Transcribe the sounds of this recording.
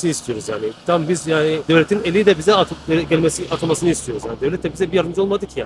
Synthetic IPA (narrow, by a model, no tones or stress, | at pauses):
sist̪ʰijo̞ɾuzja̰ːnɪt̪ʰambizjaːnid̪evlʲet̪ʰinelʲiid̪ɛbizɛat̪ʰɟɛlʲmesiʔat̪ʰomasɯnɯist̪ʰio̞ɾuzjaːnd̪evlʲɛt̪ʰːɛbizɛbijaɾd̪ɯmd͡ʒolˠmad̪ɯkjaː